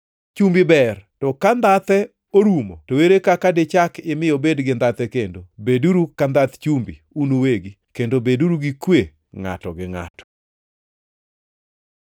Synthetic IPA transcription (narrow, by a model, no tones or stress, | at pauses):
t͡ʃumbibɛrtɔkand̪at̪ɛ | oɾumotoweɾekakadɪt͡ʃakɪmɪjobedɡɪnd̪at̪ɛkendobeduɾukand̪at̪t͡ʃumbi | unoweɡi | kendobeduɾuɡikwe | ŋa̰tɔ̰ɡɪŋa̰tɔ̥